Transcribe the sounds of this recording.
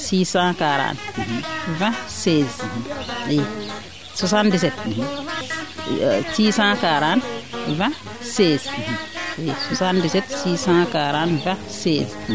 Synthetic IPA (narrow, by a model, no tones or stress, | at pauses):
siːsãkaɾã̰ːn̩ɦvɛ̃seziɦĩe | swasãndis̬ɛt̪ɦi | siːsãːkaːɾãnvɛ̃ | seːz̩ɦueswasãndisɛt̪siːsãːkaːɾãːnvɛ̃ | seːz